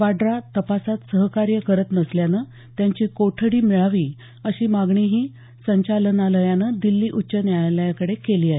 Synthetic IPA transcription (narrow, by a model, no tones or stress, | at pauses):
ʋaɖɾat̪əpasat̪səɦkaɾjəkəɾət̪nəsljanə | t̪jaɲt͡ɕiːkoʈʰəɽiːmiɭaʋiː | əɕiːmaɡɳiɦiː | səɲt͡ɕalənaləjanəd̪ilːiːʔutːɕənjaaləjakəɽekeliːaɦe